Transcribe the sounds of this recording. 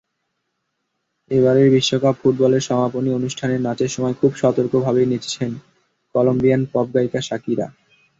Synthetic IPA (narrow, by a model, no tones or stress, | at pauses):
eβaɾeɾbiʃːokabfuʈ̚bɔleɾʃɔmaponionuʃʈʰaneɾnat͡ɕeɾʃɔmɔekʰubʃɔt̪oɾkobʱabenit͡ɕt͡ɕʰen | kɔlombijanpɔb̚ɡaikaʃakiɾa̰